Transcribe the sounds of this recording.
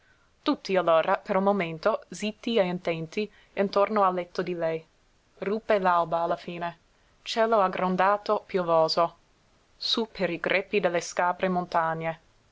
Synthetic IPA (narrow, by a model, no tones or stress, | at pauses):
t̪ut̪ːialːoːɾʔapeɾulmoment̪ozit̪ːieint̪ɛnt̪i | int̪ornoalːɛt̪ːod̪ilɛj | ruːpːelalbaːlːafiːne | t͡ʃɛːloaɡɾond̪aːt̪opjovoːzo | supʰeɾiɡɾʔɛpːid̪elːeskaːbɾemont̪aɲːe